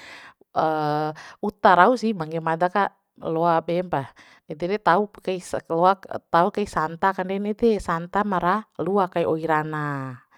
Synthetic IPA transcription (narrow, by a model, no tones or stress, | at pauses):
ə | ut̪aɾausihmaŋɡɛmadaka | lɔabɛmba | ɛd̪ɛdɛt̪aukaislɔat̪aukaisant̪akandɛnɛd̪ɛsant̪amaɾaluakaiʔɔiɾana